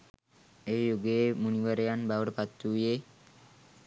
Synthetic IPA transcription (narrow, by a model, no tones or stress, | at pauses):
eːjuɡeemuniʋəɾejanbaʋəʈəpat̪ːuːje